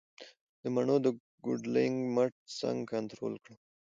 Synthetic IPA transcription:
d̪əmaɳod̪ə | ɡʊ̰ɖlɪŋɡmaʈ̚sa̰ŋɡkant̪ɾo̰lkɽə

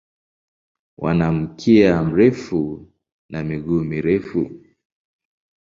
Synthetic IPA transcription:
wʔa̰nam̩kʰiam̩ɾɛfu | namiɡuːmiɾɛfṵ

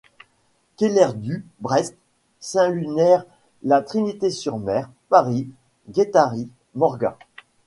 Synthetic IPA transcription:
kelɛʁd̪ybʁɛst̪ | sɛ̃lynɛʁ | lat̪χinit̪esyʁmɛːʁ | paʁi | ɡʲet̪aʁi | mɔʁɡã̰

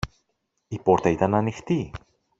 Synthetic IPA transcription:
ipo̞ɾt̪ɐit̪ɐnɐnixt̪i

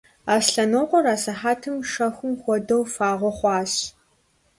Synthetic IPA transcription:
aːsɬɐnoqʷɔɾaːsɐħaːtʰɨmʂɐxʷʊmxʷɔdɐwfaːʁʷɔχʷɑːɕ

